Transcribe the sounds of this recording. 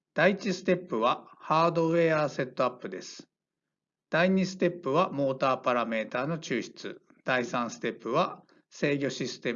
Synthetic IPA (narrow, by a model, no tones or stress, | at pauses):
d̪̥ait͡ɕisɨ̥t̪e̞pːɯ̟βahaːd̪o̞βe̞ːaːse̞t̪ːo̞apːɯd̪e̞sɨ̥ | d̪̥aiɲ̟isɨ̥t̪e̞pːɯ̟βamo̞ːt̪aːpaɾame̞ːt̪aːno̞t͡ɕɨːɕi̥t͡sɨ̰ | d̪̥aisãɰ̃sɨ̥t̪e̞pːɯ̟βa | se̞ːɡʲo̞ɕisɨ̥t̪e̞